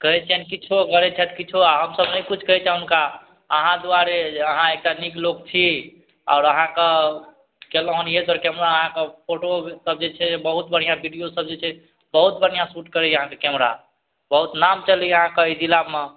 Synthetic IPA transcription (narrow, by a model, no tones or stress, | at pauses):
kəɦɛt͡ʃʰɛnkit͡ʃʰuɡəɾet͡ʃʰɛt̪ʰkit͡ʃʰuaɦəmsəbnəkut͡ʃʰkəɦɛt͡ʃʰɛɦunka | əɦãd̪uaɾeəɦãek̚ʈaniklokt͡ʃʰi | a̰ʊɾəɦãke | keləɦuned̪wəɾkɛmɾaəɦãkepʰoʈosəb̚d͡ʒet͡ʃʰɛbəɦut̪̚bəɽ̤ijabʱiɖijosəb̚d͡ʒet͡ʃʰɛ | bəɦut̪̚bəɽ̤ijasuʈkəɾɛəɦãkekɛmɾa̰ | bəɦut̪namt͡ʃəliəɦãkəid͡ʒilame